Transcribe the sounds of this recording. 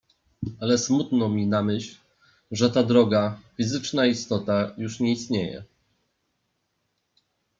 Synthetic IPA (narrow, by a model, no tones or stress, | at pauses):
alɛsmut̪nɔmʲinamɘɕl | ʐɛt̪ad̪ɾɔɡafʲizɘt͡ʂnaist̪ɔt̪ajuʂɲɛist̪ɲejɛ̰